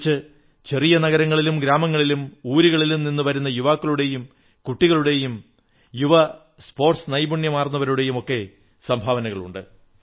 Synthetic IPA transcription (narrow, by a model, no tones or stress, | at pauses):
t͡ɕːɨ | t͡ɕe̞rijɐnɐɣɐɾɐŋːɐɭilumɡɾaːmɐŋːɐɭilumuːɾiɣɐɭilumninːɨʋɐɾunːɐjuʋaːkːɐɭuɽe̞jum | kuʈːiɣɐɭuɽe̞jum | juʋɐ | spo̞ːrʈsnɐjbuɳjɐmaːrnːɐʋɐɾuɽe̞jumo̞kːe̞ | sɐmbʱaːʋɐnɐɣɐɭṵɳɖɨ̰